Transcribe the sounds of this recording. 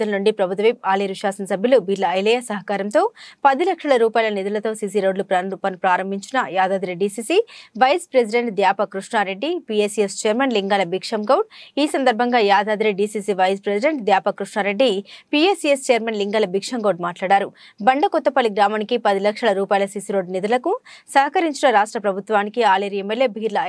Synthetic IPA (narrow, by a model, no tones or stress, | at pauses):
ɐlnuɳɖipɾɐbʱut̪ʋipaːliɾiʂaːsɐnsɐbʱjɐluʋiːɖlɐːjlɛjaːsɐɦɐkaːɾɐmt̪o̞ːpɐd̪ilɐkʂɐɭɐɾuːpaːjlɐnid̪ulɐt̪o̞ːsiːs̬iɾo̞ːɖlupɾapɐnipɾaːɾɐmbʱiɲt͡ʃinɐjaːd̪aːd̪ɾiɖiːsiːsiʋɐjspɾes̬iɖe̞ɳʈd̪jaːpɐkɾuʂɳaːɾe̞ɖːipieːsijest͡ʃeːɐɾmenliŋɡaːlɐbikʂɐmɡɐwʈiːsɐnd̪ɐɾbʱɐŋɡaːjaːd̪aːd̪ɾiɖiːsisiʋɐjspɾesiɖe̞ɳʈd̪jaːpɐkɾuʂɳaːɾe̞ɖːipieːsiest͡ʃeːɐɾmenliŋɡɐːlɐbikʂɐŋɡoːɖ̚maːʈlaːɽaːɾu | bɐɳɖɐkɔt̪ːɐpɐliɡɾaːmaːnikipɐd̪ilɐkʂɐɭɐɾuːpaːjlɐsiːsiɾo̞ːɖnid̪ulɐkusɐɦɐkɐɾiɲt͡ʃinɐɾaːʂʈɾɐpɾɐbʱut̪ʋaːnikiaːleɾiemːeljeːbʱiːɾlɐ